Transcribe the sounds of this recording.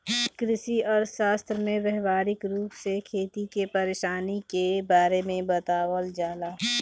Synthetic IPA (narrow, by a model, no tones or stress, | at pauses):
kɾɪʃiɔːɾʃaːst̪ɾəmẽʋɛɦʋaːɾɪkɾuːpsekʰeːt̪ikepɐɾeːʃaːnikebaːɾemẽbɐt̪aːwəld͡ʒaːlaː